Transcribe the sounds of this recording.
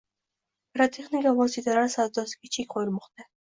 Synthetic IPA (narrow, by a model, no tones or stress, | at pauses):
ɾat̪ʰiχniɡaɔsid̪aɾasad̪ɔskit͡ʃʰikχɔjɾmɔχt̪ɛ